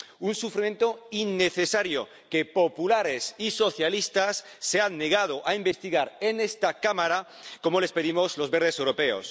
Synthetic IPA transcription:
unsufɾime̞nt̪oinːeθesaɾjo̰ | kepopulaɾesiso̞θjalist̪asː | eanːeɣ̞að̞oʔaimbe̞st̪iɣaɾenest̪akamaɾa | ko̞mole̞spe̞ðimozlo̞zβeɾðe̞sewɾo̞pe̞o̰s

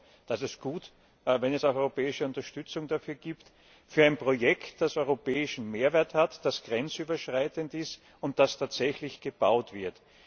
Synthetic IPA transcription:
d̥asɛsɡ̥uːt | vɛnɛsaʊxɔʏʁopɛːɪʃəʊntɐʃtʏt͡sʊŋd̥afyːɐɡ̥iːpt | fyːɐaɪnpʁ̥ojɛktd̥asɔʏʁopɛːɪʃn̩meːɐvɛːɐthatd̥asɡ̥ʁɛnt͡syːbɐʃʁ̥aɪtəntɪst | ʊnt̚d̥astʰaːtz̥ɛçlɪçɡ̥əb̥aʊtv̥ɪɐt

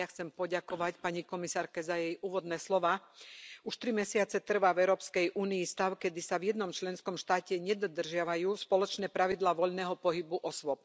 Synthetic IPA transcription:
axt͡sɛmpɔɟakɔʋacpaɲikɔmisaːɾkɛzajɛjʔuːʋɔd̪nɛːslɔʋaːuʃt̪ɾimɛsɪat͡sɛt̪r̩ʋaːvɛʊɾɔːpskɛjʔuːniist̪aʊkɛd̪isavjɛd̪nɔmt͡ʃlɛnskɔmʃt̪aːcɛɲɛd̪ɔd̪r̩ʒɪaʋajuːspɔlɔt͡ʃnɛːpɾaʋid̪laːʋɔʎnɛːɦɔpɔɦibuʔɔsʋɔp̚

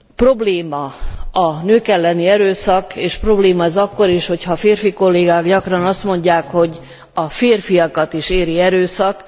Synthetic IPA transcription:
pro̞bleːmɒɒnøːkɛlːɛniɛɾøːsɒkeːʃpro̞bleːmɒɛzɒkːo̞ɾiːʃho̞chɒfeːrfiko̞lːeːɡaːɡɟɒkrɒnɒst̪mo̞ɲɟaːkho̞ɟ | ɒfeːrfiɒkɒt̪iʃeːɾiɛɾøːsɒk

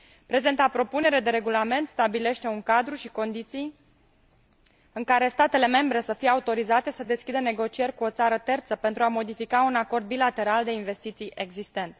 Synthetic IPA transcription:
pɾe̞ze̞nt̪apɾo̞pune̞ɾed̪e̞ɾe̞ɡulame̞nt̪st̪abile̞ʃt̪e̞uŋkad̪ɾuʃiko̞nd̪it̪sij | ɨŋkaɾe̞st̪at̪e̞le̞me̞mbɾe̞səfijeaut̪o̞ɾizat̪e̞səd̪e̞skʲid̪əne̞ɡo̞t͡ʃije̞rʲkuo̞t̪saɾət̪e̞rt̪səpe̞nt̪ɾuamo̞d̪ifikaunako̞rd̪̚bilat̪e̞ɾald̪e̞inve̞st̪it̪sijʔe̞ɡzist̪e̞nt̪

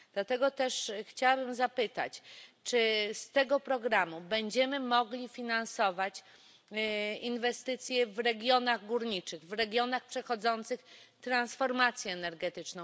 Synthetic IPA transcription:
d̪̥lat̪ɛɡɔt̪ɛʂxt͡ɕawabɘmzapɘt̪a̰t͡ɕt͡ʂɘst̪ɛɡɔpɾɔɡɾamubɛɲd͡ʑɛmɘmɔɡlʲifʲinansɔvat͡ɕ | invɛst̪ɘt̪sʲjɛvɾɛɡʲjɔnaɣɡuɾɲit͡ʂɘɣvɾɛɡʲjɔnaxpʂɛxɔd̪zɔnt̪sɘxt̪ɾansfɔɾmat̪sʲjɛːnɛɾɡɛt̪ɘt͡ʂnɔ̃w

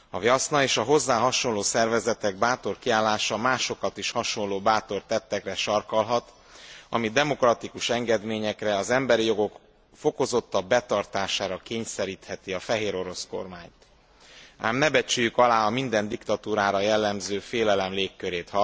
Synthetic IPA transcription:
ɒvjɒsnɒeːʃɒɦo̞zːaːɦɒʃo̞nloːsɛrvɛzɛt̪ɛɡ̚baːt̪o̞rkiaːlːaːʃɒmaːʃo̞kɒt̪iʃhɒʃo̞lːoːbaːt̪o̞rt̪ɛt̪ːɛkrɛʃɒrkɒlɦɒt̪ | ɒ̰mid̪ɛmo̞krɒt̪ikuʃɛŋɡɛd̪meːɲɛkrɛɒzɛmbɛɾijo̞ɡo̞k | fo̞ko̞zo̞t̪ːɒbbːɛt̪ɒrt̪aːʃaːɾɒkeːɲsɛɾiːt̪hɛt̪iɒfɛɦeːɾo̞ɾo̞sko̞̰rmaːɲt̪ | a̰ːmnɛbɛt͡ʃyːjykɒlaːɒmind̪ɛnd̪ikt̪ɒt̪uːɾaːɾɒjɛlːɛmzøːfeːlɛlɛmleːkːøɾeːt̪hɒ

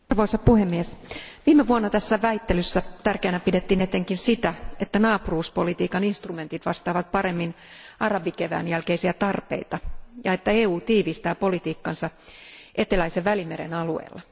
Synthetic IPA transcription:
rʋo̞isɑpuhemːiesʋiːmeʋuonːɑt̪æsːæʋæit̪ːelysːæt̪ærkeːnæpidet̪ːiːnet̪eŋkinsit̪æet̪ːænɑːpuruːspolit̪iːkɑninst̪rume̞nt̪it̪ʋɑst̪ɑːʋɑt̪̚pɑɾe̞mːin | ɑrɑbikeʋæ̰ːnjælkeisiæt̪ɑrpḛit̪ɑjɑet̪ːæeːuːt̪iːʋist̪æːpo̞lit̪iːkːɑnsɑʔe̞t̪elæiseʋʋælimeɾḛnɑluḛːlːɑ

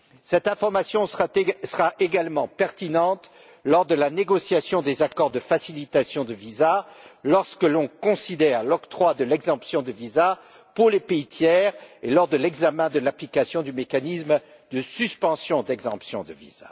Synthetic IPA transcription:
sɛt̪ɛ̃fɔʁmasjɔ̃səʁaʔeɡalmɑ̃pɛʁt̪inɑ̃t̪ | lɔʁd̪əlaneɡɔsjasjɔ̃d̪ezakɔʁd̪əfasilit̪asjɔ̃d̪əvizalɔʁskəlɔ̃kɔ̃sid̪ɛʁlɔkt̪χwad̪əlɛɡzɑ̃psjɔ̃d̪əviza | puʁlepeit̪jɛːʁelɔʁd̪əlɛɡzamɛ̃d̪əlaplikasjɔ̃d̪ymekanism | d̪əsyspɑ̃sjɔ̃d̪ɛɡzɑ̰̃psjɔ̃d̪əvḭz̥a̰

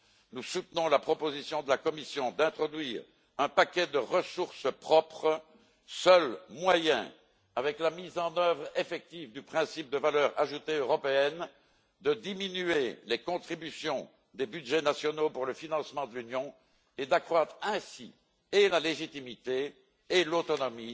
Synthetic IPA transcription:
nusut̪nɔ̃lapχɔpozisjɔ̃d̪əlakɔmisjɔ̃d̪ɛ̃t̪χɔd̪ɥiːʁ | ɛ̃pakʲɛd̪əʁəsuʁsəpχɔpχ | sœlmwajɛ̰̃ | avɛklamizɑ̃nœvʁefɛk̚t̪ivd̪ypχɛ̃sip̚d̪əvalœːʁa̰ʒut̪eøʁɔpeɛn | d̪əd̪iminyelekɔ̃t̪χibysjɔ̃ | d̪ebyd̪ʒɛnasjɔnopuʁləfinɑ̃smɑ̃d̪əlynjɔ̃ | ed̪akχwat̪χɛ̃sḭ | elaleʒit̪imit̪eː | lot̪ɔnɔmi

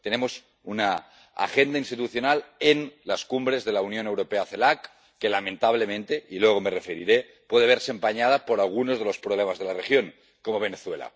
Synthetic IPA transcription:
t̪enemos | una | a̰xend̪ainst̪it̪uθjo̞nalenlaskumbɾe̞zðelaunjo̞newɾo̞peaθelakː | elamẽnt̪aβ̞lemẽnt̪eʔilweɣomerefeɾḭɾe | pweð̞eβeɾsempaɲað̞apo̞ɾalɣ̞unozð̞e̞lo̞spɾoβlemazð̞e̞larexjo̞ŋ | ko̞mo̞β̞e̞neθwela̰

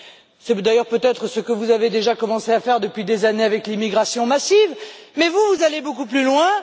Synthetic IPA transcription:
sɛd̪ajœʁpøt̪ɛt̪χəsəkəvuzaved̪eʒakɔmɑ̃seafɛʁd̪əpɥid̪ezaneavɛklimiɡʁasjɔ̃masivmɛvuvuzalebokuplylwɛ̃

